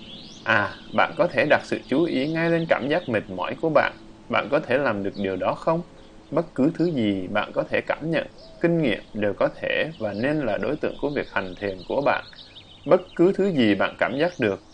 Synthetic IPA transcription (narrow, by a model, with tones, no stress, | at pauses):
ʔaː˨˩ɓa̰ː˧˨nkɔ˨˦t̪ʰe˧˩ɗa˨˩t̚sɨ̰˧˨t͡ɕu˨˦ʔi˨˦ŋa˧jle˧nkaː˧˩mzaː˦˥k̚mï˨˩ŋ̚mɔ̰˧˩˨jku˧˩əɓa̰ː˧˨n | ɓa̰ː˧˨nkɔ˨˦t̪ʰe˧˩laː˨˩mɗɨ˨˩ək̚ɗi˨˩əwɗɔ˨˦xə˧wŋ͡m | ɓə˦˥t̚kɨ˨˦t̪ʰɨ˨˦zi˨˩ɓa̰ː˧˨nkɔ˨˦t̪ʰe˧˩kaː˧˩mɲə̰˧˨n | kï˧ŋ̟ŋḭ˧˨əmɗe˨˩wkɔ˨˦t̪ʰe˧˩vaː˨˩ne˧nlaː˨˩ɗo˨˦jt̪ɨ̰˧˨əŋku˧˩əvi˨˩ək̚t̪ʰa˨˩ŋ̟t̪ʰi˨˩ənku˧˩əɓa̰ː˧˨n | ɓə˦˥t̚kɨ˨˦t̪ʰɨ˨˦zi˨˩ɓa̰ː˧˨nkaː˧˩mzaː˦˥k̚ɗɨ˨˩ək̚